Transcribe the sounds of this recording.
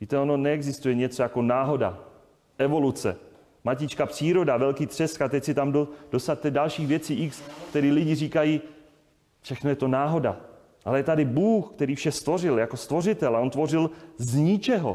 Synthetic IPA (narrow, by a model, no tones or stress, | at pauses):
viːt̪ɛo̞no̞nɛɛɡzɪst̪ujɛɲɛt͡so̞jako̞naːɦo̞da̰ | ʔɛvo̞lut͡sɛ̰ | macɪt͡ʃkapr̝̥iːɾo̞davɛlkiːt̪r̝̥ɛskat̪ɛcsɪt̪amdod̥ost̪at̪t̪ːɛdalʃiːxvjɛt͡siːʔɪkskt̪ɛɾiːlɪɟɪriːkajiː | fʃɛxno̞jɛt̪o̞naːɦo̞da̰ | ʔalɛjɛt̪adɪbuːxkt̪ɛɾiːfʃɛst̪vo̞rɪljako̞st̪vo̞rɪt̪ɛlaont̪vo̞rɪlzɲɪt͡ʃɛɦo̞̰